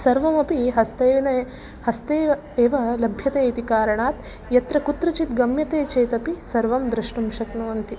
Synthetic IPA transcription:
sɐɾʋɐmɐpiɦɐst̪eːʋinɐ | hɐst̪eːʋɐ | eːʋɐlɐbʱjɐt̪eːit̪ikaːɾɐɳaːt̪ | jɐt̪ɾɐkut̪ɾɐt͡ʃit̪ɡɐmjɐt̪eːt͡ʃeːjt̪ɐpisɐɾʋɐmd̪ɾɐʂɳɐmʃɐknoːɐnt̪i

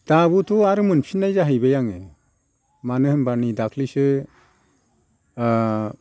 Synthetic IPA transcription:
t̪abut̪ʰuaɾɯmɯnpʰinajzaɦɯjbejaŋe | manɯhɯmbanid̪akʰlisɯ

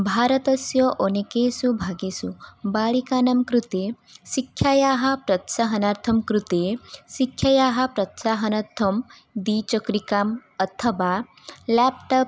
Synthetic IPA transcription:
bʱaːɾət̪ɐsjɐʔonekeːsubʱaːɡesubaːɭikaːnɐmkɾut̪e | sikʰjajaːɦɐpɾɐt̪saɦɐnaɾt̪ʰɐmkɾut̪esikʰːjajaːɦɐpɾɐt̪saɦɐnɐɾt̪ʰːɐm | d̪iːt͡ʃəkɾikaːmɐt̪ʰəʋa | lɛp̚ʈɐp̚

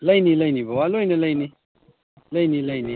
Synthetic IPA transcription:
lɐjniləjnibəwaloinelɐjni | ləjniləjni

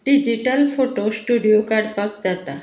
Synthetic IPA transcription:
ɖid͡ʑiʈəlfoʈosʈuɖijokaɖpakd͡zat̪a

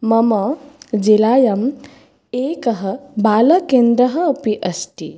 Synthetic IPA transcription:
mɐmɐd͡ʒilaːjɐm | eːkɐɦɐbaːlɐkend̪ɾɐɦɐːpiʔɐst̪ḭ

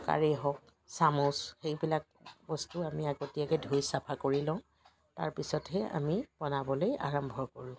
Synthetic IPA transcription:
ka̰ɹeɦɔk̚ | samɔsxejbilak̚bɔstuamiaɡotijakɛdʱujsapʰakoɹilãʊ̃ | taɹpisɔtɦɛʔa̰mipɔnabɔloja̰ɹɔmbʱɔɹkɔɹũ

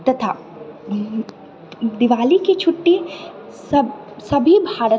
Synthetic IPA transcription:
t̪ɐt̪ʰaː | d̪ɪʋaːlikit͡ʃʰʊʈːisɐ | sɐbʱibʱaːɾə

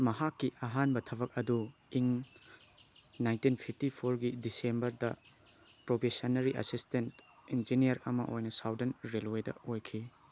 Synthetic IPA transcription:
mɐɦakːiʔɐɦanbɐtʰɐbɐk̚ɐduiŋ | najntinpʰip̚ʰtipʰoɾɡidisembɐɾdɐ | pɾopʰesɐnɐɾiʔɐ̰sistentind͡ʒinijɐɾɐmɐ̰ʔojnɐsawdɐnɾelwedɐ̰ojkʰi

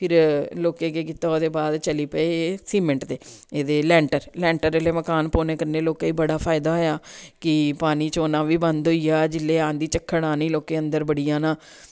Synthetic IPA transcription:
pʰɪɾloːkẽːkeːkit̪aːoːd̪eːbaːd̪t͡ʃəliːpəeːsiːmə̃ɳʈd̪eːeːd̪eːlɛ̃ːɳʈəɾlɛ̃ːɳʈəɾeleːməkaːnpoːnẽːkəɾneːloːkaːiːbəɽaːpʰaːɪd̪aːɦoːjaːkɪpaːniːt͡ʃoːnaːʋiːbənd̪ɦoiːjaːd͡ʒɪlːeːãːnd̪iːt͡ʃəkʰːəɽaːnĩːloːkeːənd̪əɾbəɽijãːnaː

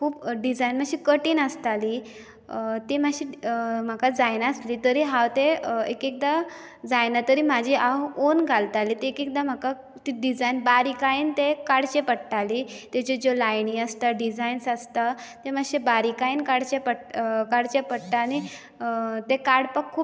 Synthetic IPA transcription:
kʰuːpɖid͡zajnm̤aɕiːkəʈiːnəst̪ali | t̪imaɕiːm̤akad͡zajnasliːt̪əɾiɦawt̪eekek̚d̪a | d͡zajnat̪əɾiːmad͡ʑʱiʔaonɡʱalt̪alit̪eekek̚d̪am̤aka | t̪iɖid͡zajnbaɾikaiːnt̪ekaɽt͡ɕepəɽʈalit̪et͡ɕed͡zolajniːəst̪aɖid͡zainsast̪at̪em̤aɕebaɾikaiːnkaɽt͡ɕepəɽkaɽt͡ɕepəɽʈ̪aːñi | t̪ekaɾɽpəkʰːuːp

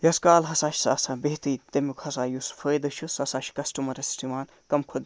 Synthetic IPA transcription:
jɐskaːlɦɐsaːʃi̥saːsãːbeɦt̪iːt̪emukʰhɐsaːjusfʰəːjd̪ɐʃʰusɐsaːʃʰi̥kɐsʈumɐɾɐsʈʰimaːn | kɐmkʰod̪

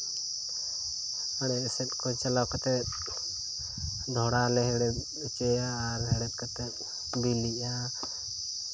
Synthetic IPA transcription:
aɽɛsɛt̪̚ˀkɔt͡ʃalawkat̪ɛt̪̚ | d̪ʱɔɽalɛɦɛɽɛt̪̚ | t͡ʃɛjaːɾɦɛɽɛt̪̚kat̪ɛt̪̚ | biliʔa

